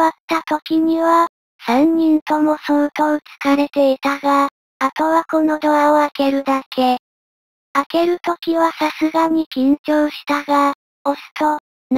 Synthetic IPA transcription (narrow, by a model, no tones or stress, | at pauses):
at̪ːat̪o̞kʲiɲ̟iβa | sãɲ̟ɲĩnt̪o̞mo̞sot̪o̞ɯt͡sɨ̥kaɾe̞t̪e̞it̪aɡaː | t̪o̞βako̞no̞d̪oaoake̞ɾɯ̟d̪akʰe̞ | ake̞ɾɯ̟t̪o̞kʲiβasasɨɡaɲ̟ikʲĩɲ̟t͡ɕoːɕi̥t̪aɡa | osɨ̥t̪o̞